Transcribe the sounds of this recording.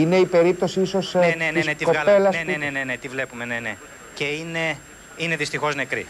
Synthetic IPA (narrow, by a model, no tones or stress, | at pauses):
ine̞ipe̞ɾip̚t̪o̞siiso̞stneniset̪iko̞ɐe̞lɐsennenenet̪ivle̞pumenene | ceine̞ | ine̞ðist̪ixo̞zne̞kɾḭ